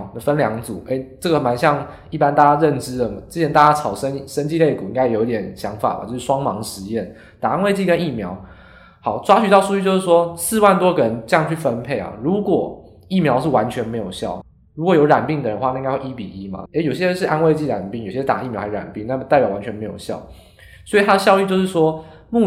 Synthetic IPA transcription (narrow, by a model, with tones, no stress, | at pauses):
d̪ə˩fə˦nljɑ˧˥ŋt͡su˨˩˦e˥˦ɪʈ͡ʂə˥˩ɡə˩ma˧˦nɕjɑ˥˧ŋ | i˥˩pa˥˦nt̪a˥˩t͡ɕa˥ɻə˥˨nʈ͡ʂɻ̩˦lə˨˩ʈ͡ʂɻ̩˥t͡ɕʰɛ˧˦nt̪a˥˩t͡ɕa˥t͡sʰɑ˨˩ʊʂə˦ŋʂə˥˦nt͡ɕi˥˧le˥˩ɪku˨˩i˥ŋɡa˥ɪjjo˧˥t̪ʲjɛ˨˩˦nɕjɑ˧˥ŋfa̰˨˩ma̰˨t͡ɕjo˥˧ʊʂɻ̩˥˧˩ʂwɑ˥ŋmɑ˧˦˥ŋʂɻ̩˧˦jɛ˥˩n | t̪a˨˩a˦nwe˥˧ɪt͡ɕi˥˧˩kə˦ni˥˩mjɑ˧˥ʊ | hɑ˨˩ʊʈ͡ʂwa˥ɕy˨˥t̪ɑ˥˧ʊʂu˥y˥t͡ɕjo˥˧ʊʂɻ̩˥˩ʂwɔ˥sɹ̩˥˧wa˥˩nt̪wɔ˥ɡə˨˩ɻə˧˦nʈ͡ʂɤ˥˧jɑ˥˧ŋt͡ɕʰy˥˩fə˦npʰe˥˩ɪɐ̰˨˩ɻu˧˥kwɔ˨˩ | i˥˩mjɑ˧˥ʊʂɻ̩˥˩wa˧˦nt͡ɕʰɥɛ˧nme˧˥ɪjo˨˩ʊɕjɑ̰˥˩ʊ | ɻu˧˥kwɔ˨˩jo˧˥ʊɻa̰˨˩npi˥˩ŋd̪ə˩ɻə˧˦nxwa˥˧nã˥˧˥ŋa˥˧˥we˥˩i˥pḭ˨˩i˧˥ma̰˨e˧˥jo˨˩ʊɕjɛ˥ɻə˧˦nʂ̬ɻ̩˥˩ʔa˦nwe˥˧ɪt͡ɕi˥˩ɻa̰˨˩npi˥˩ŋjo˨˩ɕjt̪a˨˩˦i˥˩mjɑ˥xa˧˥˧a̰˨˩npi˥˨ŋna˥˩ə˨t̪a˥˩pjɑ˨˩ʊwa˧˥nt͡ɕʰɥɛ˧˥nme˧˥ɪjo̰˨˩ʊɕjɑ̰˥˩ʊ | swɔ˧˥i˨˩t̪ʰa˥d̪ə˨ɕjɑ˥˧ʊy˥˧t͡ɕjo˥˧ʊʂɻ̩˥˩ʂwɔ˥ | mu˥˧